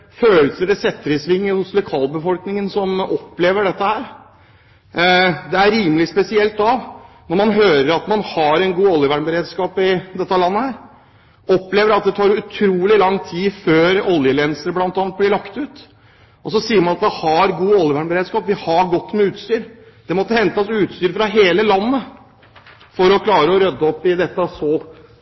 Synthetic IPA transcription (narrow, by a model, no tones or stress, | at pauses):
føːləsəɖɛsɛt̪ːəɾɪsʋɪŋːəʊslʊkʰɑːlbəfɔlknɪŋənsɔmɔpːleːʋəɖɛt̪ːəhæːɾ | d̪ɛæɾiːməlɪspɛsɪɛlt̪ɑʋ | nɔɾmɑnɦøːɾəɾɑt̪mɑnhɑɾɛnɡuːɔljəʋæːɳbəɾeːd̪skɑːpɪd̪ɛt̪ːəlɑnːəhæːɾ | ɔpːleːʋəɾɑt̪̚d̪ɛt̪ʰɑːɾʉt̪ʰɾuːlɪlɑŋːt̪ʰiːføːɾɔljəlɛnsəɾəblɑnt̪ɑːnt̪̚blɪɾɭɑkt̪ʉːt̪ | ʔɔsɔsiːəɾmɑnɑt̪̚d̪ɛhɑɾɡuːɔljəʋæːɳbəɾeːd̪skɑːpʋɪhɑɾɡɔt̪ːmɛʉːt̪st̪yːɾ | d̪̥ɛmɔt̪ːəhɛnt̪əsʉːt̪st̪yːɾfɾɑɦeːləlɑnːə | fɔɾɔkʰlɑːɾəɔɾœd̪ːəɔpːɪd̪ɛt̪ːəsɔ